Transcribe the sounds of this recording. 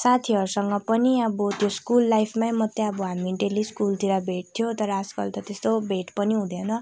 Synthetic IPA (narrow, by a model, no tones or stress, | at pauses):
sat̪ʰiʌɾusʌŋɡʌpʌniʌbot̪joskulːajpʰmamʌt̪ːeʌbʌɦamiʈeliskult̪iɾabʱeʈ̚t̪ʰjot̪ʌɾʌːskʌlt̪ʌt̪est̪obʱeʈpʌniɦũd̪ʱjenʌ